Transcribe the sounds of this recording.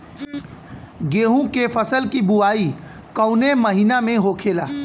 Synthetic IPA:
ɡeːɦũkepʰəsəlkibʊaːi | kəʊneməɦiːnamẽɦoːkʰeːlaː

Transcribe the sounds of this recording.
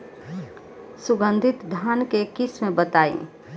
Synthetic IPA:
sʊɡə̃nd̪ʱɪt̪d̪ʱaːnkekɪsmẽbət̪aːḭ̃

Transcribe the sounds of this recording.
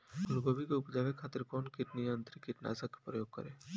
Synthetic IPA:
ʊluɡobʱikeupd͡ʒaʋekʰaːt̪ɪɾkɔːnkɪʈnijənt̪ɾikɪʈna̰sakːe̥pɾəjoːɡ̚kə̰ɾe

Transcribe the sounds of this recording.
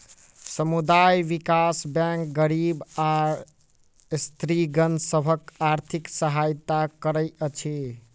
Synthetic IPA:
səmud̪ajʋikasbɛ̃ŋk̚ɡəɾiba | st̪ɾiɡənsəbʱəkaɾt̪ʰiksəɦajt̪akəɾəjət͡ʃʰi

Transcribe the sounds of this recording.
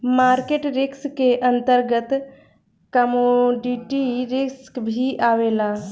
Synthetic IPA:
maːɾkeːʈɾɪkskːeʔə̃nt̪əɾɡət̪ | kəmoɖiʈiɾɪskbʱiʔaːʋeːla

